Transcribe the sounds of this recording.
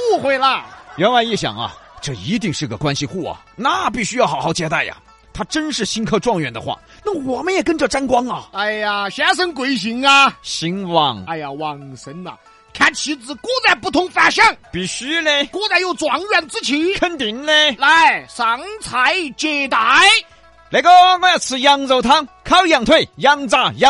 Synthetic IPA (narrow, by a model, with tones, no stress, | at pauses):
u˥˩xwe˧˩ɪlɐ˧ɥɛ˧˥nwa˧ɪi˥˩ɕjɑ̰˨˩ŋɐ̰˧ʈ͡ʂɤ˥˩i˧˥t̪i˥˧ŋʂɻ̩˥˩ɡə˨˩kwa˥nɕi˧xu˥˩ɐ̰˩ | na˥˧˩pi˥˩ɕy˥jɑ˥˩ʊxɑ˨˥xɑ˥˩ʊt͡ɕjɛ˥t̪a˥˩ɪjɐ̰˩ | t̪ʰa˥ʈ͡ʂə˥nʂɻ̩˥˩ɕi˥nkʰɤ˥˧ʈ͡ʂwɑ˥˩ŋɥɛ̰˨˩nd̪ə̰˦xwa̰˥˧˩ | na˥˩əwɔ˨˩mə˦njɛ˨˩kə˥nʈ͡ʂɤ˥˩ʈ͡ʂa˥nkwɑ˥ŋɐ˨a˥˧˩ɪa˨˩ɕja˥ʂ̬ə˥ŋkwe˧˩ɪɕ̬i˧˥ŋɐ˧ɕi˧˥ŋwɑ˥˩ŋa˧˩ɪja˨wɑ˨˩ŋsə˧˥nɐ̰˨˩ | kʰa˥nt͡ɕʰi˧˥t͡sɹ̩˧kwɔ˥t͡sa˥˧ɪpu˥˩t̪ʰʊ˧˥ŋfa˧˥ɕɑ˥˩ŋpi˨˩ɕy˥le˥˧kɔ˥t͡sa˥˧ɪjo˥˧˩ʊt͡swɑ˧˥ŋɥɛ˥˧˩nt͡sɹ̩˥t͡ɕʰi˧˥˦kʰə˥nt̪i˧˦nle˧la˧˥ɪsɑ˨˧˥ŋt͡sʰa˧˥ɪt͡ɕjɛ˧˩t̪a˧˥ɪ | le˧˥ɪko˥na˥˧˥jt͡sʰɹ̩˧˩jɑ˥ŋt͡so˧˥ʊt̪ʰɑ˥ŋkʰa˥ljɑ˨˩ŋt̪ʰwe˥˩ɪjɑ˥ŋt͡sa˥˩jɑ˥